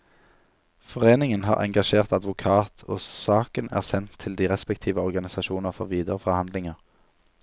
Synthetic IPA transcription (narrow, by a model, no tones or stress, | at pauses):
fɔʁeːnɪŋənɦɑ̰ːʁɛ̰ŋɡɑʃeːʁt̪ɑd̪ʋʊkʰɑːt̪ʰo̰ːsɑːkənæ̰ːʁsɛnt̪ʰːɪld̪iːʁɛspɛkt̪ʰiːʋəɔʁɡɑnɪsɑʃuːnəʁfɔʁʋiːd̪əʁəfɔʁhɑnd̪lɪŋəʁ